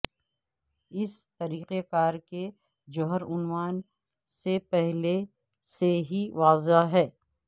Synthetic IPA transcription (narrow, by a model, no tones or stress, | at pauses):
ɪst̪ɐɾiːqekaːɾke | d͡ʒʊɦəɾʊnʋaːn | sepɛɦle | seɦiʋaːzaɦɛː